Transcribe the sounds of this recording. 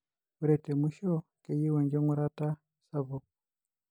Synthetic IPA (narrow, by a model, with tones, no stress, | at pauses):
u˨ɾɛ˨tɛ˨miʃɔ˦ke˨ji˦wɛ˨ɲd͡ʒɔ˦ŋu˦ɾa˦ta˦ | sa˦βɔ˨